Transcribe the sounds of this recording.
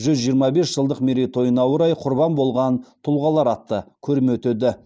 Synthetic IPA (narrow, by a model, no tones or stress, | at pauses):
ʒʏzʒijəɾmɑbe̞sʒ̥əlˠd̪əqmeɾijt̪o̞jənɑwəɾɑjqʰʊɾbɑnbo̞lˠʁɑnt̪ʰʊlˠʁɑlˠɑɾɑt̪ːəkʲʰɵɾɪmɵt̪ed̪ɪ